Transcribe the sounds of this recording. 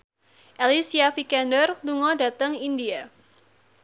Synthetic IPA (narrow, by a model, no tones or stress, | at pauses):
ʔelisiafikɛndərluŋɔda̤t̪əŋindia